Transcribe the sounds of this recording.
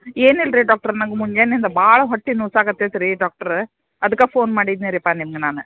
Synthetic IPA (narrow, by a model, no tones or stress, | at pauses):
eːnilɾiɖaːk̚ʈɐɾnɐŋɡɐmuɲd͡ʒeːnend̪ɐbaːɭɐɦɔʈːinːusaːkɐt̪ːet̪ɐɾiɖaːk̚ʈɐɾ | ɐd̪ɯkːafoːnmaːɽid̪neɾipːaːnimɐɡɐnaːnɯ